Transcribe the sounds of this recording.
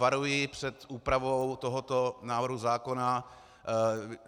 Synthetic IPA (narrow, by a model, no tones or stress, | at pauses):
aɾujɪpr̝̥ɛt̪uːpɾavowt̪oɦot̪onaːvɾ̩ɦuzaːkona